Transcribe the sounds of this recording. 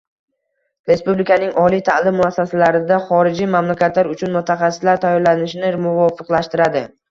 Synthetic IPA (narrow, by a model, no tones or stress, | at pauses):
ɾe̞spublɪkʰʲanɪŋʔɒlijt̪ʰalɪmːʊasːasalaɾɪd̪aχɒɾɪd͡ʒimamlakʲat̪laɾʊt͡ʃʰʊnmʊt̪ʰaχɑsːɪ̥slaɾt̪ʰajːɒɾlanɪʃɪnɪmʊvɒfɨqlaʃt̪ɪɾad̪ɪ